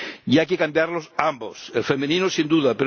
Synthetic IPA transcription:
jajkekambjaɾlosambo̰selfemeninosind̪uðapeɾ

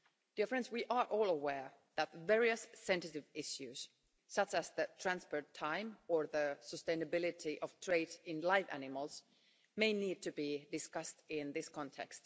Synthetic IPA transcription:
d̥iəfɹɛ̃nswiʔəɹʔɔːlˠəwɛɹ | ðætvɛɹiɨsːɛ̃nsɨɾɪvɪʃjʉz̥ | sʌt͡ʃæzðɨtʰɹ̥æ̃nspəɹtʰãɪ̃mə˞ðəsəstẽɪnɨbɪlˠɪɾiʔʌv̥tʰɹ̥eɪɾɪ̃nlaɪvæ̰nɪməl̩ˠz̥ | meɪniːd̚tʰɨbidɨskʌstɪ̃nðɪskʰɑ̃ntʰɛ̰kst

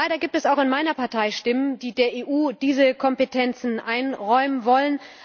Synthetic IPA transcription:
aɪɾɐɡiːp̚tɛsaʊxɪnmaɪnɐpaɐtʰaɪʃtɪməndiːdeːɐʔeːʔuːd̥iːzəkʰɔmpetʰɛnt͡sn̩ʔaɪnʁɔʏmənvɔlən

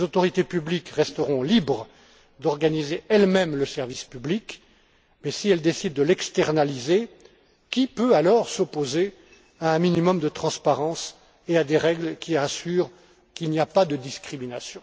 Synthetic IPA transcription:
ezot̪ɔʁit̪epyblikʁɛst̪əʁɔ̃libʁə | d̪ɔʁɡanizeɛlmɛmləsɛʁvispyblik | mɛsiɛld̪esid̪ːəlɛkst̪ɛʁnalize | kʲipøalɔʁsɔpoze | aɛ̃minimɔmd̪ət̪χɑ̃spaʁɑ̃s | ead̪eʁɛɡlkʲʰiasyːʁ | kilniapad̪əd̪iskχiminasjɔ̃

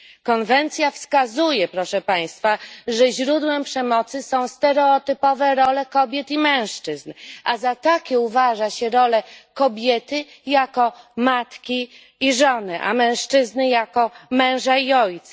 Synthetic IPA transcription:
kɔnvɛnt̪sʲjafskazujɛpɾɔʂɛpaj̃st̪faʐɛʑɾud̪wɛmpʂɛmɔt̪sɘsɔ̃w̃st̪ɛɾɛɔt̪ɘpɔvɛɾɔlɛkɔbʲjɛt̪imɛ̃w̃ʂt͡ʂɘznʔazat̪akʲɛuvaʐaɕɛɾɔlɛkɔbʲjɛt̪ɘ | jakɔmat̪kʲiː | ʐɔnɛʔa̰mɛ̃w̃ʂt͡ʂɘznɘjakɔmɛ̃w̃ʐaiɔjt̪sḁ

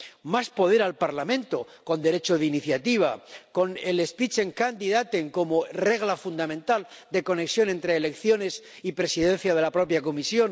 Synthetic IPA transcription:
maspo̞ð̞e̞ɾalpaɾlamẽ̞nt̪o̞ko̞nd̪e̞ɾe̞t͡ʃo̞ðiniθjat̪iβ̞ako̞nele̞spit͡ʃe̞ŋkand̪iðat̪e̞ŋko̞mo̞re̞ɣlafund̪amẽnt̪ald̪e̞ko̞ne̞ksjo̞ne̞nt̪ɾe̞ːle̞kθjo̞ne̞s | ipɾe̞siðẽ̞n̟θjað̞e̞lapɾo̞pjako̞misjo̞n

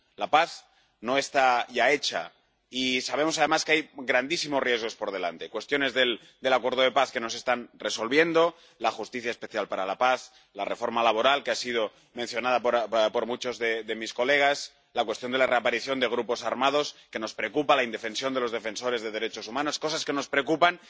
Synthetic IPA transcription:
lapaθ | no̞e̞st̪aʝae̞t͡ʃa̰ | isaβemo̞sað̞e̞maskeajɣɾand̪isimorie̞zɣ̞o̞spo̞ɾð̞e̞la̰nt̪e̞kwe̞st̪jo̞ne̞zðe̞l | d̪e̞lakwe̞ɾð̞o̞ð̞e̞paθke̞no̞se̞st̪anre̞so̞lβje̞nd̪o̞ | laxust̪iθjaespe̞θjalpaɾalapaθ | lare̞fo̞ɾmalaβ̞o̞ɾalkeasið̞o̞ | mẽ̞nθjo̞naðapɾpo̞ɾmut͡ʃo̞zðeðe̞misko̞le̞ɣ̞as | lakwet̪jo̞nd̪e̞lare̞apaɾiθjo̞nd̪e̞ɣ̞ɾupo̞saɾmað̞o̞ske̞no̞spɾeokupalaind̪e̞fe̞nsjond̪e̞lo̞zð̞efe̞nso̞ɾe̞zðeðe̞ɾe̞t͡ʃo̞sumãno̞sko̞saske̞no̞spɾeokupan

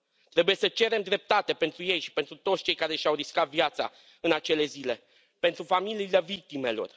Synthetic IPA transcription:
t̪ɾe̞buje̞sət͡ʃe̞ɾe̞md̪ɾe̞p̚t̪at̪e̞pe̞nt̪ɾuje̞jʃi̥pent̪ɾut̪o̞t̪sʲt͡ʃe̞jkaɾe̞ʃawɾiskat̪vjat̪sa̰ | ɨnat͡ʃe̞le̞zile̞ | pent̪ɾufamiliːlevik̚t̪ime̞lo̞̰r

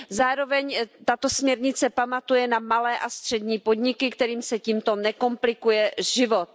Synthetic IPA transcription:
zaːɾo̞vɛɲt̪at̪o̞smɲɛɾɲɪt͡sɛpamat̪ujɛnamalɛːʔast̪r̝̥ɛdɲiːpo̞dɲɪkɪkt̪ɛɾiːmsɛciːmt̪o̞nɛko̞mplɪkujɛʒɪvot̪̚

